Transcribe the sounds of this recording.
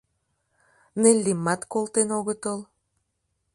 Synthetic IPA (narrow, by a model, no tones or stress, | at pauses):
nelʲːimːɑt̪kolˠt̪enoɣə̆t̪əl